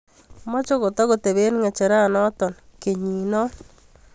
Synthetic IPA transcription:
mɔ˦t͡ʃo˦ko˨tɔ˦ko˨te˨βe˦nŋɛ˨t͡ʃe˨ɾa˦˨nɔ˦t̪ɔ˨nke˨ɲi˨nɔ˦

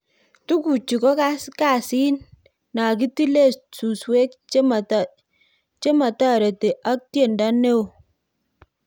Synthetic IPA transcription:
tu˦ku˨t͡ʃi˨kɔ˦ka˦ska˦˨si˦nː | a˨k̬i˦ti˦le˦˨su˨swe˦k̚m˨ | t͡ʃe˦ma˨ta˦˨ɾe˨te˨ʔa˦k̚tje˦˨nda˦ne˦o˨

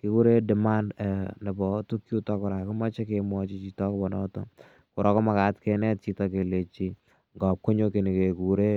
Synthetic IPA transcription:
kɪ˦ku˦ɾe˦dɛ˨ma˦ndɛ˨nɛ˨bɔ˨tu˦kju˦tɔ˦kʊ˨ɾa˨kʊ˦ma˦t͡ʃɛ˦kemwɔ˦t͡ʃi˦t͡ʃi˨tɔ˦kɔ˦bɔ˨ndɔ̰˦tɔ̰˦ | kʊ˨ɾɔ˦kɔ˦ma˨ka˨tke˨nɛ˦t̚t͡ʃi˦tɔ˧k̬e˨le˨t͡ʃi˨ | ŋɡɔ˨p̚ko˦ɲo˦ke˨ne˨ke˨ku˨ɾe˦

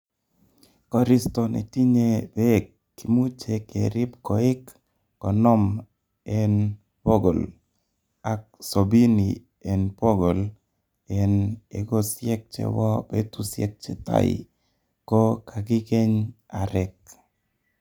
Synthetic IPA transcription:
kɔ˨ɾi˦sto˨nḛ˨ti˦ɲe˦be˦kːi˨mu˦t͡ʃe˨ke˨ɾɪ˦pkɔ˨ɪ˦kː | ɔ˨nɔ˦m | ɛ˦n | po˦ɡo˨l | a˨k̚so˨bi˦ni˨ | e˨npo˦ɡo˨l | ɛ˨nḛ˨ɡo˦sjɛ˦k̚t͡ʃḛ˨wɔ˦be˦tu˦sjɛ̰˦k̚t͡ʃɛ˨ta̰˦ɪ̰˨ | kɔ˦ka˨kɪ˦ke˦ɲ | a˨ɾɛ˨k̚

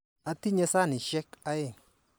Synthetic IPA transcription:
a˦t̪i˦ɲɛ˦sa˦ni˨ʃɛ˦ka˦je˦˨

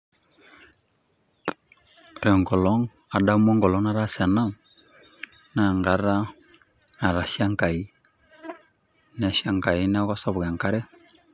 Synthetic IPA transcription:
ɾɛ˨ŋɡɔ˨lɔ˦ŋa˨da˦mo˦ŋɡɔ˨lɔ˦na˦ɾa˦sa˨na˦ | na˨ŋɡa˨ɾa˦ | a˨ɾa˨ʃa˦ŋ˦ka˨i˦ | na˨ʃa˦˨ŋka˨i˦n˦a˦ka˦sa˦bu˨ɡa˨ŋka˦ɾɛ˦

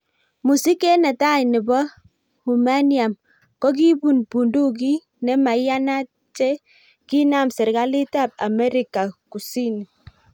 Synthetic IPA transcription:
mu˨si˦ke˦na˨ta˦jnɪ˨bɔ˦ | hu˨ma˦ni˦a˨m | kɔ˦k̬i˦bu˨npu˨ndu˦k̬i˦ | nɛ˦ma˨˦ja˦na˦ | t͡ʃɛ˦ | ki˦na˦˨msɛ˨ɾɡa˦li˦ta˦˨b̚a̰˨mɛ˦ɾi˦ka˨ku˨si˦n˨

